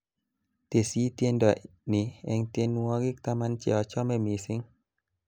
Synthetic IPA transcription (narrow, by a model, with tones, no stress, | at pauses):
t̪e˨siː˦t̪je˦ndɔ˨nɪ˨ɛ˨ŋt̪je˦nwɔ˦ɡɪ˦k̚t̪a˦ma˦nt͡ʃɛ̰˨ɔ˨t͡ʃɔ˦mɛ˦mi˨sɪ˦ŋ